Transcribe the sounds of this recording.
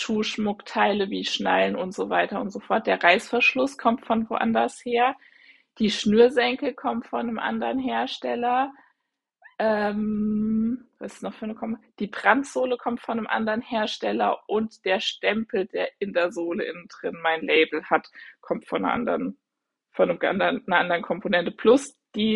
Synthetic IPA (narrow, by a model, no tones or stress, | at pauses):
ʃuːʃmʊktʰaɪləviːʃnaɪlnʊntz̥ovaɪtɐʊntz̥ofɔɐt̚d̥eːɐʁaɪsfɛɐʃlʊskʰɔmtfɔmtv̥o̰ʔa̰ndɐsheːɐ | d̥iːʃnyːɐzɛŋkl̩kʰɔmtfɔnəmʔa̰ndɐʁnɦeːɐʃtɛlɐ | ʔɛːm | vaɪsunɔχfnəkʰɔmd̥iːbʁ̥antz̥oːləkʰɔmtfɔnəmʔa̰ndəʁənheːɐʃtɛlɐ̰ʔʊntd̥eːɐʃtɛmpl̩d̥eːɐʔɪndeːɐzoːləʔɪ̰nn̩dʁɪnmaɪnleɪbl̩hatkʰɔmtfɔnɐ̰ʔa̰ndɐn | fɔnəma̰ndɐnɐʔandəʁənkʰɔmpʰonɛntəpʰl̥ʊsd̥iː